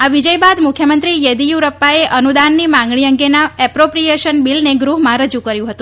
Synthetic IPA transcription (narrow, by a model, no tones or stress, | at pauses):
aʋid͡ʒəjbad̪mʊkʰjəmənt̪ɾijəd̪ijuɾəpːaeʔənud̪anːimãŋɡɭiəŋɡenaɛpɾopɾijeʃənbilneɡɾuɦmãɾəd͡ʒukəɾjũɦət̪ũ